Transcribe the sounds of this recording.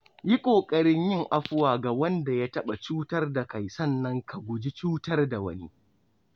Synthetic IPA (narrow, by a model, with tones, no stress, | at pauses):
ji˦kʷʼoː˨kʼɐ˦˨ɽɪ˦ɲjɪ˦˨ŋʔa˦ɸʊ˦waː˨ɡa˨wɐ˦nda˨ja˦tɐ˦ɓa˨t͡ʃuː˦tɐ˦rda˨ka˨jsɐ˦˨nːɐ˦ŋkʰa˨ɡʷʊ˨d͡ʒi˦t͡ʃuː˦tɐ˦rda˨wɐ̰˦nḭ˦